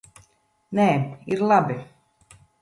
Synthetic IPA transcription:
neːiɾlˠabi

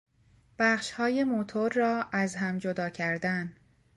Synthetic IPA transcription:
b̥æχʃhɒːje̞mot̪ʰoɾːɒːæzɦæmd͡ʒod̪ɒːcʰæɾd̪æn

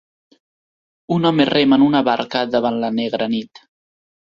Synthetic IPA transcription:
unɔmeremənunəβaɾkəðəβanləneɣɾənit̪

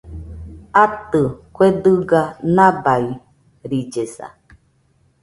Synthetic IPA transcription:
at̪ɨkʷed̪ɯɡanãbai | ɾid͡ʒesa̰

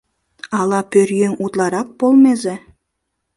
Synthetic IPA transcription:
ɑlˠɑpɵɾjeŋut̪lˠɑɾɑp̚bolˠmezɘ

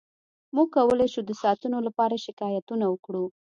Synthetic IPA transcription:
muɡ̚kawəlajʃud̪əsɑt̪unolapɑɾaʃɪkɑjat̪unawəkɽu

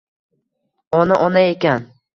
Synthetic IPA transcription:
ɒnaʔɒnaekʲan

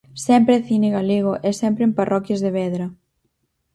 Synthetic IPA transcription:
sɛmpɾeθineɣaliɣ̞oʔɛsɛmpɾemparʔɔkjɐzðeβɛðɾɐ

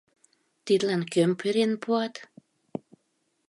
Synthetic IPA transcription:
t̪id̪lænkømpʰyɾenpuɑt̪

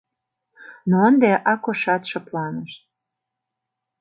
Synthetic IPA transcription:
noənd̪eʔɑkoʃɑt̪ʃɤplɑnəʃ

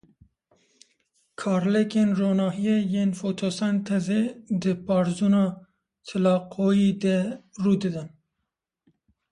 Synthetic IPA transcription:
kʰɑːɾlekenɾonɑɦijejenfot̪ʰosant̪ʰazed̪əpɑɾzunɑ | t͡s̪ʰəlɑqʰojid̪ɛɾud̪əd̪an

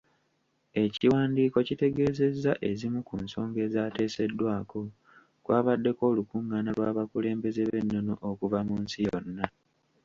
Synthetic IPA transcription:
e̞ciwaːndiːko̞cite̞ɡe̞ːze̞zːaʔe̞zimukunso̞ːŋɡe̞ːzaːte̞ːse̞dːwaːko̞ | kwaːβadːe̞ko̞ːlukuŋɡaːnalwaːβakule̞ːmbe̞ze̞βe̞nːo̞noʔokuvamunsijonːa

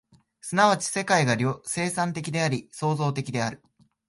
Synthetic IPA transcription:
sɨnaβ̞at͡ɕi̥se̞kaiɡaɾʲose̞ːsãnt̪e̞kʲid̪e̞aɾʲiso̞ːzo̞ːt̪e̞kʲid̪e̞aɾɯ̟

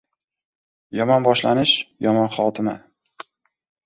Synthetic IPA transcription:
jɒmɒnbɒʃlanɪʃjɒmɒnχɒt̪ʰɪma̰

